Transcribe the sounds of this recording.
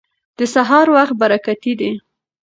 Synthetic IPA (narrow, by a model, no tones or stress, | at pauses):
d̪̥əsaɦɑɾwaxt̪̚baɾakat̪id̪i